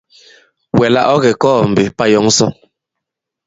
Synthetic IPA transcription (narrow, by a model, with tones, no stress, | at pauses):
wɛ˨la̰˦ʔɔ˦ɣɛ˨kɔː˦˨m̩˨be˨pa˦jɔ˦ŋ˦sɔ˦